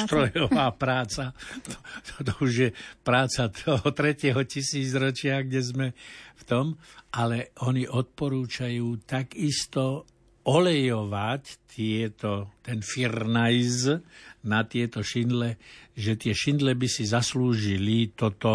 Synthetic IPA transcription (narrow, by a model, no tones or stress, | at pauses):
st̪ɾɔjɔʋaːpɾaːt͡sat̪ɔ̥t̪t̪ɔuʒjɛpɾaːt͡sat̪ɔɦɔt̪ɾɛcɛɦɔcisiːd͡zɾɔt͡ʃɪaɣɡɲɛzmɛft̪ɔmʔalɛɔɲiʔɔt̪̚pɔɾuːt͡ʃajuːt̪aɡist̪ɔ | ɔlɛjɔʋact̪ɪɛt̪ɔt̪ɛnfirnajznat̪ɪɛt̪ɔʃind̪lɛʒɛt̪ɪɛʃind̪lɛbisizasluːʒilit̪ɔt̪ɔ